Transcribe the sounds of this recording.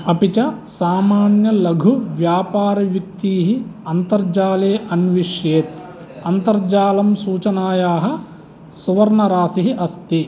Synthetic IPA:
ɐpit͡ʃɐsaːmaːnjɐlɐɡʱuʋjaːpaːɾɐʋjɐk̚t̪iːɦiɐnt̪ɐɾd͡ʒaːleːʔɐnʋiʂjeːt̪ | ɐnt̪ɐɾd͡ʒaːlɐmsuːt͡ʃɐnaːjaːɦɐ̆ | suʋɐɾɳɐɾaːsiɦiʔɐst̪i

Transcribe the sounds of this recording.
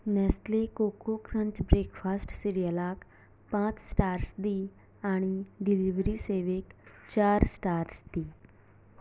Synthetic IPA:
nɛːsleːkoːkoːkɾə̃ɲt͡ʃbɾeːkpʰaːsʈsiɾijəlaːk | pãːt͡ʃsʈaːɾsd̪iː | aːɽ̃iɖɪliʋɾiːseːʋekt͡ʃaːɾsʈaːɾsd̪iː

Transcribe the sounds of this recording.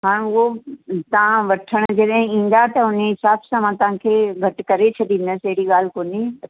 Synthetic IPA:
ɦaːɽ̃ʊɦot̪ɐʋ̤ãʋɐʈʰəɽ̃̆d͡ʑɐɗɦɪ̃ĩːn̆d̪at̪ɐʊneɦɪsaːbsãmãt̪ɐʋ̤ãkʰeːɡʱɐʈkɐɾet͡ɕʰɐɗ̪ĩːn̆d̪əsɐɦɪɽiɠaːl̤koːni

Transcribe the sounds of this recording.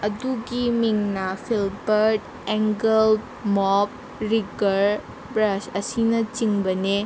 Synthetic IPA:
ɐduɡimiŋnapʰilbɐɾʈ | ɛŋɡəl | mɔb̚ | ɾiɡɐɾ | bɾasɐsinɐt͡ʃiŋbɐne

